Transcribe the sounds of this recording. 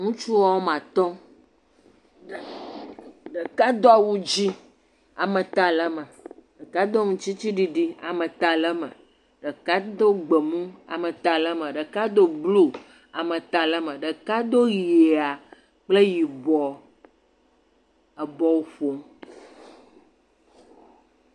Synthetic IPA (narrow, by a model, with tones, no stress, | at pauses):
ŋũ˦t͡ʃu˦wɔ˦wo˦mã˨t̪ɔ̃˦˨ | ɖə˨ka˦d̪o˦a˨wu˦d͡ʑi˦ | a˨mə̃˨t̪a˨lə˦mə̃˨ɖə˨ka˦d̪o˦ŋũ˦t͡ʃt͡ɕi˦t͡ɕi˦ɖi˦ɖi˦a̰˨mə̃˨t̪a˨lə˦mə̰̃˨ | ɖə˨ka˦d̪o˦ɡ͡bə˨mũ˦a̰˨mə̃˨t̪a˨lə˦mə̃˨ɖə˨ka˦d̪o˦blu˦ | a˨mə̃˨t̪a˨lə˦mə̃˨ɖə˨ka˦d̪o˦ɣi˨e˨a˨ | k͡ple˦ji˨bɔ˨ | ə˨bɔ˦wo˦ɸo˦m